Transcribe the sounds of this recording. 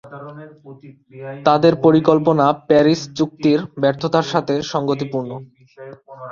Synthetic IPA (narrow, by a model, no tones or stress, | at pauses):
t̪ad̪eɾpoɾikolponapɛɾist͡ɕuk̚t̪iɾbɛɾt̪ʰot̪aɾʃat̪ʰeʃɔŋɡot̪ipuɾno